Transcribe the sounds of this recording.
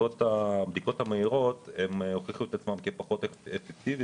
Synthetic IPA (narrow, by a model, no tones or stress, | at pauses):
ot̪abd̪iko̞thameiʁo̞temhoχiχuet̪at͡smamkepaχo̞t̪efek̚tivi